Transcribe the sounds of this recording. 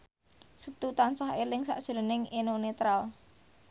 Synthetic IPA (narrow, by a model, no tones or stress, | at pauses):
sət̪ut̪ansaɦelɪŋsa̰ʔʒ̥ɾo̤nɪŋenonet̪ɾal